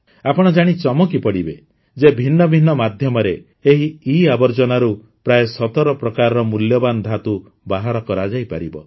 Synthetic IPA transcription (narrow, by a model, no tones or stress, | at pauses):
apɔɽ̃ɔd͡ʒaɽ̃it͡ʃɔmɔkipɔɽibe | d͡ʒebʱinːɔbʱinːɔmad̪ʱjɔmɔɾe | eɦiːabɔɾd͡ʒɔnaɾu | pɾajesɔt̪ɔɾɔpɾɔkaɾɔɾɔmuljɔband̪ʱat̪u | baɦaɾɔkɔɾad͡ʒajpaɾibɔ